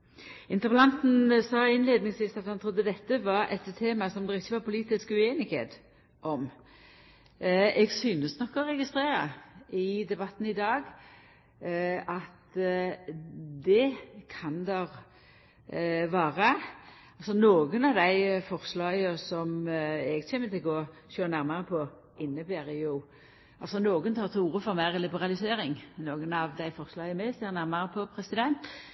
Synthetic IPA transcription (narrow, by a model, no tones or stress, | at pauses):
ɪnt̪əʁpəlɑnt̪n̩sɑːɪnleːd̪nɪŋsʋiːsɑt̪hɑnt̪ʰɾʊd̪ːəd̪ɛt̪ːəʋɑɾɛ̰t̪t̪ʰːeːmɑsɔmd̪ɛʁɪçːəʋɑpʰʊliːt̪ɪskʉeːnɪkhḛːt̪ | ʔɔm | ɛɡsyːnəsnɔkːɔʁɛɡɪst̪ɾeːɾəɪd̪ɛbɑt̪ːn̩ɪd̪ɑːɡ | ɑt̪ | d̪ɛkʰɑnd̪ɛʁ | ʋɑːʁə | ɑlsɔnoːɡənɑʋd̪æɪfɔʁslɑːɡəsɔmɛɡɕeːmət̪ʰɪlɡoː | ɕøːnæɾmɑɾəpʰɔ | ɪnːəbæːɾjʊ | ʔɑlsɔnoːɡənt̪ʰɑːʁt̪ʰɪuːʁəfɔʁmæɪʁlɪbəʁɑlɪseːɾɪŋnoːɡənɑʋd̪æɪfɔʁslɑːɡəmɛst̪ɛɾnæʁmɑɾəpʰɔpʰɾɛsɪd̪ɛnt̪